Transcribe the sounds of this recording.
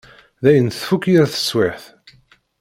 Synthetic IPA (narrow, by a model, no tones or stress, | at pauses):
ðæjənθfukːiɾθə̥sːwɪħθ